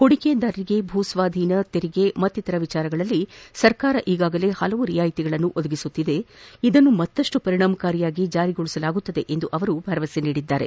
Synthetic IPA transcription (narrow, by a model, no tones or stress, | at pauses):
koɽike̞d̪ɐɾɾiɡe̞bʱuːsʋaːd̪ʱiːnɐt̪eɾiɡe̞mɐt̪ːit̪ɐɾɐʋit͡ʃaːɾɐɡɐɭɐlːisɐɾkaːɾɐʔiːɡaːɡɐle̞hɐlɐʋuɾijaːjit̪iɡɐɭɐnːuʔod̪ɐɡisut̪ːid̪e̞id̪ɐnːumɐt̪ːɐʂʈupɐɾiɳaːmɐkaːɾijaːɡid͡ʒaːɾiɡoɭisɐlaːɡut̪ːɐd̪e̞ʔe̞nd̪uʔɐʋɐɾubʱɐɾɐʋɐseniːɽid̪ːaːɾe̞̰